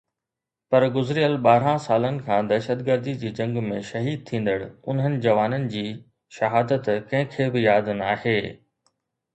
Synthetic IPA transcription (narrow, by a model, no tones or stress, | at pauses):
pɐɾɡʊzɾijəlɓaːɾ̤ãsaːlənɪ̆kʰãːd̪ɐʃət̪ɡəɾd̪id͡ʑiːd͡ʑɐ̃ŋɡmẽʃɐɦiːd̪̚t̪ʰĩːn̆d̪əɽʊnɦənɪ̆d͡ʑɐʋaːnənɪ̆d͡ʑiː | ʃɐɦaːd̪ət̪kɐ̃ɦɪ̃kʰeːbɪjaːd̪naːɦeː